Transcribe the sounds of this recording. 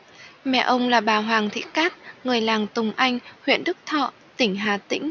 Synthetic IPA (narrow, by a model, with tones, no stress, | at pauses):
mɛ̰˧˨ʔə˧wŋ͡mlaː˨˩ɓaː˨˩ɦwaː˨˩ŋt̪ʰḭ˧˥kaː˦˥t̚ŋɨ˨˩əjlaː˨˩ŋt̪ʊ˨˩ŋ͡mʔa˧jŋ̟hwḭ˧˨ənɗɨ˦˥k̚t̪ʰɔ̰˧˨ | t̪ï˧˩ŋ̟ɦaː˨˩t̪ï˧˥ŋ̟